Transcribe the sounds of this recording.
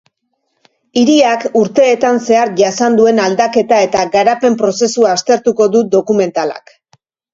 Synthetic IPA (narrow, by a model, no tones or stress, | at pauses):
iɾiakuɾt̪e̞ːt̪anse̞aɾʝasand̪ue̞nald̪ake̞t̪ae̞t̪aɡaɾape̞mpɾo̞se̞suaːst̪e̞ɾt̪uko̞ðud̪o̞kume̞nt̪ala̰k